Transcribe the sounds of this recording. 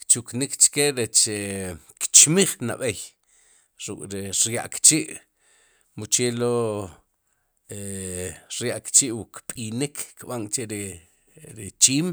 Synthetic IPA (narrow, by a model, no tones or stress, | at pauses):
kt͡ʃuknikt͡ʃkeɾet͡ʃekt͡ʃmiχna̰ɓej | ɾukʼɾiɾja̰ʔkt͡ʃiʔ | mut͡ʃelo | e | ɾjaʔkt͡ʃiʔwukpʼinikʰkɓaŋt͡ʃeɾi | ɾit͡ʃiːm